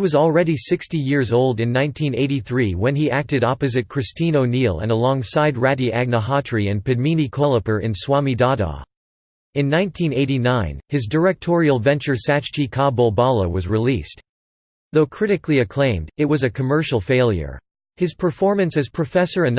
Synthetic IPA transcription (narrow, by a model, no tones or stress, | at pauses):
hiwʌzl̩ˠɹɛɾisɪkstijɪɹzoʊlˠdɨ̃nːãɪ̃ntʰĩneɪɾiθɹiwɨ̃niʔæk̚tɨɾɑpɨzɨt̚kʰɹ̥ɨstʰĩnoʊnilˠə̰̃nəlɔ̃ŋsaɪd̚ɹæɾiʔæɡ̚nəɦɑtʰɹ̥iɨ̃npɨd̚mĩnikʰɔlˠəpə˞ʔɨ̰̃nswɑmidɑɾɔ̰ | ɨ̃nːãɪ̃ntʰĩneɪɾinãɪ̃nɨzdə˞ɛk̚tʰɔɹil̩ˠvɛ̃nt͡ʃə˞sæt͡ʃt͡ʃikʰɑbɔbɑlˠə̰wʌzɹilist | ðoʊkʰɹ̥ɪɾɨkliɨkʰl̥ẽɪ̃mdɨt̚wʌzɨkʰɨmɜ˞ʃl̩ˠfeɪlˠjə̰˞ | hɨz̥pʰə˞fɔɹmɨ̃nsɨz̥pʰɹ̥ɨfɛsə˞ɨn